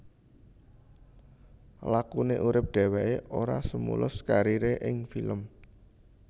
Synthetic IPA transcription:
lakuneʔuɾɪp̚ɖ̪̥ɛ̤wɛeʔoɾasəmṵlʊskaɾiɾeʔɪŋfiləm

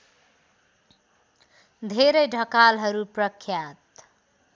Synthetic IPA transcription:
d̪ʱeɾʌjɖʱʌkalɦʌɾuprʌkʰjat̪

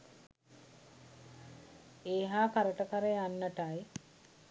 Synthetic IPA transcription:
eːɦaːkaɾəʈəkaɾejanːəʈaj

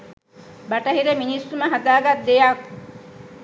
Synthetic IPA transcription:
baʈɐɦiɾeminisːuməɦad̪aːɡat̪̚d̪ejak

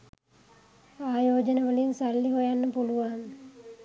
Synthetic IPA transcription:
aːjoːd͡ʒənəʋəlinsalːiɦojanːəpuluʋaŋ

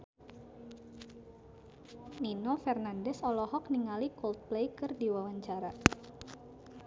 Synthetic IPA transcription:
ninofɛrnandɛsɔlɔɦɔk̚niŋalikɔlt̪̚plejkɨrdiwawaɲt͡ʃaɾa

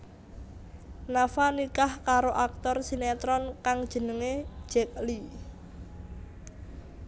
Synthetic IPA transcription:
nafanikahkaɾoʔak̚t̪ɔrsinɛt̪ɾɔnkaŋd̥ʒ̥ə̤nəŋe̥ʒ̥ɛk̚li

